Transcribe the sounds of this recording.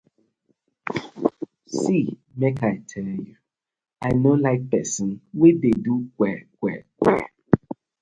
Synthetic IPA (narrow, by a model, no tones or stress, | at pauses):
simekʰaɪtʰɛlju | aɪnolaɪk̚pɛsə̃nwededukʷɛkʷɛkɛ̰